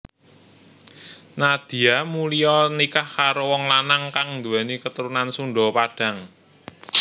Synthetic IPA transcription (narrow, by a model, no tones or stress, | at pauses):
nad̪̥i̤amulijɔnikahkaɾowɔŋlanaŋkaŋnd̪uɛnikət̪əɾunansuɳɖɔpaɖ̥a̤ŋ